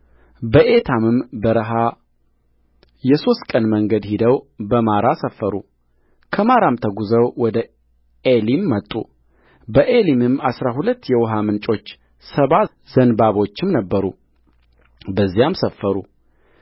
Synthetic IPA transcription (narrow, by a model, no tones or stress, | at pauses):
bəʔe̞t̪ʰamɨmbəɾəɦa | jɛso̞st̪kʼənməŋɡəd̪hid̪əwbəmaɾasəfːəɾṵ | kʰəmaɾamt̪ʰəɡuzəwwɔd̪ə | elimːət̪ʼːṵ | bəʔelimɨmːasɾaɦulət̪ːjɛwɔɦamɨnt͡ʃʼo̞t͡ʃː | səβa | z̥ənbaβo̞t͡ʃːɪmnəbːəɾṵ | bəzːijamsəfːəɾṵ